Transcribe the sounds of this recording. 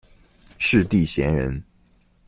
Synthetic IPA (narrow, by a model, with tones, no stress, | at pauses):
ʂɻ̩˥˧t̪i˥˨ɕjɛ˧˥nɻə˧˦n